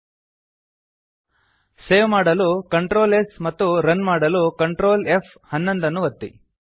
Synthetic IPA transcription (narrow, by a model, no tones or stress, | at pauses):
seːʋmaːɽɐlukɐɳʈɾoːlesmɐt̪ːuɾɐnmaːɽɐlukɐɳʈɾoːlefʰ | hɐnːond̪ɐnːuʋɐt̪ːḭ